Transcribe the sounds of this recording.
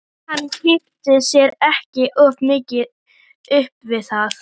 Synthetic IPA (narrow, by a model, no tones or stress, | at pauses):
hanːhɪft̪ɪsjɛɾɛhcɪʔɔvmɪːcɪð | ʏhpvɪθaθ